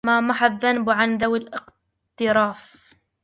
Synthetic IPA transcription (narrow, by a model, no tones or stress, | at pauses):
maːmaħaðːanbʕanðawɪlʔɪq | t̪ɪɾˤaːf